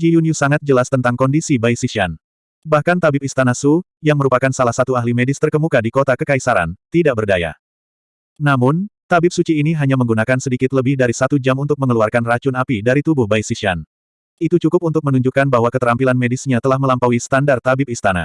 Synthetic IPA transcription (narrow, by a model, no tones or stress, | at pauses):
d͡ʒijuniusaŋat̪̚d͡ʒəlast̪ənt̪aŋkɔndisibajsiʃian | bahkant̪abɪp̚ist̪anasu | jaŋməɾupakansalahsat̪uahɦlimɛdɪst̪ərkəmukadikot̪akəkaisaɾa̰nt̪idaʔ̚bərdaja̰ | namʊnt̪abɪp̚sut͡ʃiːniɦaɲaməŋɡunakansədikɪt̪ləbɪhdaɾisat̪ud͡ʒamunt̪ʊk̚məŋəluarkanrat͡ʃʊnapidaɾit̪ubʊhbajsisian | it̪ut͡ʃukʊp̚unt̪ʊk̚mənuɲd͡ʒukanbaɦwakət̪əɾampilanmedɪsɲat̪əlahməlampawisə̥t̪andart̪abɪp̚ist̪ana̰